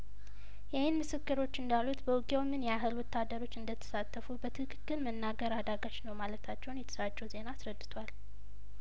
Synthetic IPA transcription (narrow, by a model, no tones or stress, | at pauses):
jɛhɨnmɨsɨkːɨɾo̞t͡ʃːɨnd̪alut̪bəwɡʼewmɨnjɛaɦɨlwɔt̪ːad̪əɾo̞t͡ʃːɨnd̪ət̪ʰə̥sat̪ʰːəfubət̪ʰɨkʰɨkːɨlmənːaɡəɾad̪aɡaʃnəwmalət̪ʰat͡ʃːɛwnjɛt̪ʰə̥sat͡ʃʼːɛwze̞naːsɾəd̪ːɨt̪ʰwal